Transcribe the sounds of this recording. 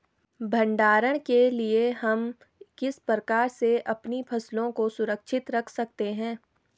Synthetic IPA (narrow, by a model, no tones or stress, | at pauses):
bʱɐ̃ɳɖaːɾəɽ̃kelieɦɐm | kɪspɾəkaːɾseʔɐpnipʰɐslõkosʊɾəkʃʰɪt̪ɾɐkʰsɐk̚t̪eɦɛ̃ː